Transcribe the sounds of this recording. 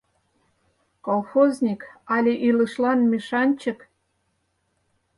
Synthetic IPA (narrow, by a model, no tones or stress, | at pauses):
kolˠxoznʲikɑlʲeʔilɤ̆ʃlɑnmʲiʃɑnʲt͡ɕə̆k